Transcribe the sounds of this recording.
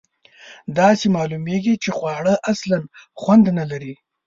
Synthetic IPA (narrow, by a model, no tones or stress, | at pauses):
d̪ɑsemɑlumeɡit͡ʃexwɑɽəʔaslanxwand̪nalaɾi